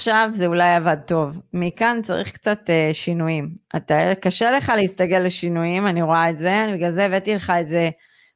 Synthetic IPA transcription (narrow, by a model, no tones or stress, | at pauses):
aχʃavzeulajavad̚to̞vmikant͡saʁḭχkt͡sateʃinujima̰takaʃe̞le̞χaleist̪aɡe̞lːe̞ʃinujimaniʁoaetze̞anibeɡlalzeːvetile̞χaetze̞